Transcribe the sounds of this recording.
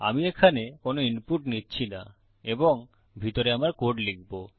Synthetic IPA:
a̰miekʰanekonoinpuʈnitːɕʰina̰ | eboŋ | bʱit̪oɾeamaɾkoʈlik̚bo

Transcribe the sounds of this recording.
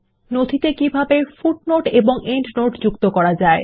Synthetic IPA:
nod̪ʱit̪ekibʱabefuʈ̚noʈeboŋeɳʈnoʈd͡ʑukt̪okɔɾad͡ʑae

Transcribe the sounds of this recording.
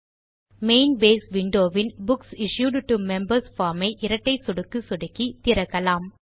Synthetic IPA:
meɪnbeːsʋɪɳɖoːʋɪnbʊksɪʃjuːɖʈumɛmbɐɾsfaːɾmɐɪʔɪɾɐʈːɐɪsɔɽɯkːɯsɔɽɯkːit̪ɪɾɐɣɐlaːm

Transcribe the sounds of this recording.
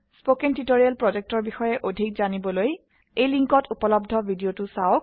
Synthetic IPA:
spokɛntitoɹialpɹɔzek̚tɔɹbixɔjɛʔodʱik̚zanibɔloj | ejliŋkɔtupɔlɔbdʱɔbʱidiotʊsaok̚

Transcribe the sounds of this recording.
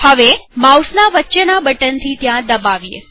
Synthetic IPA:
həʋemausnaʋətːʃənabəʈənt̪ʰit̪jãd̪əbaʋijḛ

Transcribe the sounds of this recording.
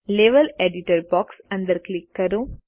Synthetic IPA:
leʋɐleɖiʈɐɾbɔːksɐ̃nd̪ɐɾklikːɐɾu

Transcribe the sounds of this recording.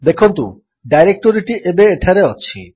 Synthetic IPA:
d̪ekʰont̪ṵ | ɖajɾek̚ʈoɾiʈiʔebeeʈʰaɾeɔt͡ɕʰḭ

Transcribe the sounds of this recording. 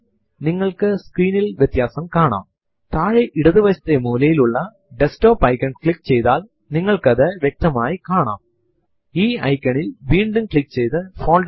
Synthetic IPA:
niŋːɐɭkɨskriːnilʋjet̪jaːsɐmkaːɳa̰ːm | t̪aːɻeʔiɽɐðɨʋɐt͡ɕɐ̥t̪ːemuːlɐjiluɭːɐ | ɖesʈoːpːɐjkːɐɳkɭikːt͡ɕe̞jt̪aːl | niŋːɐɭkɐðɨʋjek̚t̪ɐmaːjikaːɳa̰ːm | iːɐjkʲːɐɳilʋiːɳɖumkɭikːt͡ɕe̞jt̪ɨfoːn

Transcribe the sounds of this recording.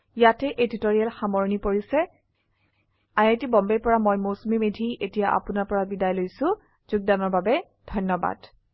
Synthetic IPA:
jatɛʔeditoɹijalxamɔɹɔnipoɹisɛ | ajetibɔmbɛɹpɔɹamojmosmimedʱiʔetijaʔa̰pʊnaɹpɔɹabidajlojsʊ̃ | z̥ʊɡ̚danɔɹbabɛ | dʱɔnːɔba̰d̥

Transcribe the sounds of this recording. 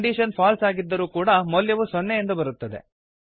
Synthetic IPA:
ɳɖiːʃɐnpʰaːlsaːɡid̪ːɐɾuːkuːɽɐmɔljɐʋusɔnːejend̪ubɐɾut̪ːɐd̪e̞̰

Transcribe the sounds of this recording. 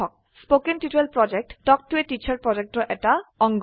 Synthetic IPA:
ɔk̚ | spokenʈiʈelpɹɔd͡ʑek̚ʈɖɔk̚ʈueʈit͡ɕʰaɾpɹɔd͡ʑek̚ʈɔʔɛʈaɔŋɡ

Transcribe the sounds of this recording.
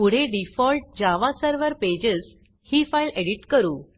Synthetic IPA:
uɽ̤eɖifɔlʈ̚d͡ʑaʋasəɾʋəɾped͡ʑəs | hiːfajleɽiʈkəɾuː

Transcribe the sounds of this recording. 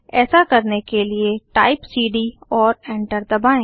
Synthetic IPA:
ɛːsakəɾnekelieʈaːɪpsiːɖiɔːɾɛ̃ːɳʈəɾd̪ɐbaːẽː

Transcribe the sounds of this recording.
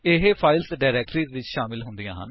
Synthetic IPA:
ɪɦepʰaːɪlsɖaːɾɛːk̚ʈɾiːd̪eːʋɪt͡ʃʃaːmɪlɦʊnd̪ijãːɦə̰n

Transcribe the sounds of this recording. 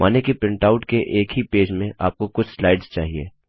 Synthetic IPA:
maːnekipɪ̃ɳʈaːʊʈkeʔeːkɦipeːd͡ʒmẽaːp̚kokʊt͡ʃʰslaːɪɖzt͡ʃa̰ːɦiḛː

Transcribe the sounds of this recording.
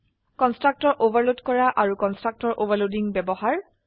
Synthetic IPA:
kɔnstɹak̚tɔɹʔobaɹlodkɔɹaʔaɹukɔnstɹak̚tɔɹʔovaɹlodiŋbɛbɔhaɹ

